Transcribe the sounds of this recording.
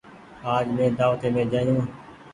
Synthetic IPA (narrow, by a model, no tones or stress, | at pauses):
aːd͡ʒmẽːd̪aːʋt̪eːmẽːd͡ʒaːjũː